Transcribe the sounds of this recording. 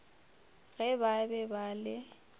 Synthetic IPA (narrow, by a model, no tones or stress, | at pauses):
ɣɛbabɛbalɪ